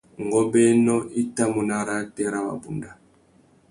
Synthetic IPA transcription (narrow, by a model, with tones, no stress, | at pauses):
ŋ˨ɡɔ˦bɛ˦nɔ˦ʔi˦ta˦mu˨na˨ɾa˦tɛ˦ɾa˦ba̰˨bu˨nda˨